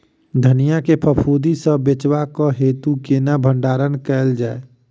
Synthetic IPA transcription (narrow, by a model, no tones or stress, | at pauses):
d̪ʱənijakepʰəpʰuːd̪isəbet͡ʃwakɔɦeːt̪ukenabʱəɳɖaːɾənkɛːld͡ʒaːe